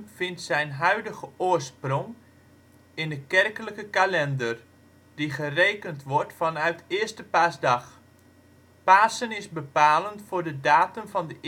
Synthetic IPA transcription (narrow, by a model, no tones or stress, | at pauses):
fɪntsɛjnɦœɥdəɣəʔʊːərsproŋ | ɪndəkɛrkələkəkalɛndər | diχərejkəntʋɔrtfɑnœɥtɪstəpaːsdɑχ | paːsənɪzbəpaːləntfʊːrdədaːtəmvɑndəʔ